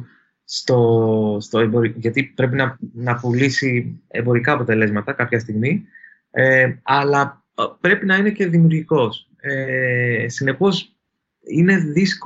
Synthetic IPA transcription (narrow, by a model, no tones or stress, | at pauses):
st̪o̞st̪o̞embo̞ɾiʝɐt̪ipɾe̞pinɐnɐpulisie̞mbo̞ɾikɐːpo̞t̪e̞le̞zmɐt̪ɐkɐpçɐst̪iɣmi | eɐlɐ | pɾe̞pinɐine̞ce̞ðimiuɾʝiko̞s | esine̞po̞s | ine̞ðisk